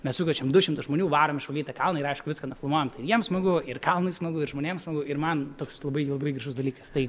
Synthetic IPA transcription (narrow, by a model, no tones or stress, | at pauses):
mʲɛsʊkʲot͡ʃʲɛmd̪ʊʃʲɪmt̪ʊsʒmoːnʲuːʋɑːɾoːmɪʃʋɐlʲiːt̪ɐkɐlˠnɐɪɾɐɪʃkʊʋɪskɐnʊflˠmoɔjɛmt̪ɐɪjiɛmsmɐɡʊɪɾkɐlˠnɐɪsmɐɡʊɪɾʒmoːnʲeːmsmɐɡʊɪɾmɐnt̪oːkslˠɐbɐɪlˠɐbɐɪɡɾʲɐʒʊsd̪ɐlʲiːkɐst̪ɐɪ